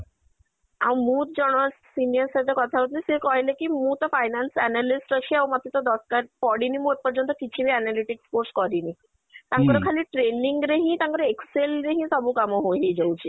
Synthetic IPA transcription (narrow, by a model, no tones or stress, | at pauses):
aw̃mũt̪d͡ʑɔɽ̃ɔsinijəɾsad̪ekɔt̪ʰaɦot̪liseɾkɔɦjlekimũt̪ɔfʰajnansɛnalisʈəɕʰiawmat̪ːit̪ɔd̪ɔskaɾpɔɽinimũepɔɾd͡ʑɔnt̪̬ɔkit͡ɕʰibeɛnaliʈikspoɾskɔɾini | t̪aŋkɔɾokʰaliʈɾeniŋɡɾeɦĩt̪aŋkɔɾeekselɾeɦĩsɔbukamoɦoɦid͡ʑowt͡ɕʰi